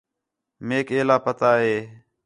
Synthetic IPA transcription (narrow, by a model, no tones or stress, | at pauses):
meːkeːlaːpət̪aːɦeː